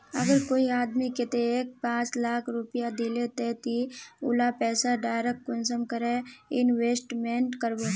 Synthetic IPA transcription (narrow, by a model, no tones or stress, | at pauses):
ə̰ɡəɾkoːiaːd̪mikɪt̪eek̚pãːt͡ʃlaːkʰɾʊpijad̪ilet̪eːt̪iʊ̰lapɛːsaɖaːjɾəkkʊnsəmkəɾeɪnʋeːsʈmeɳʈkəɾbo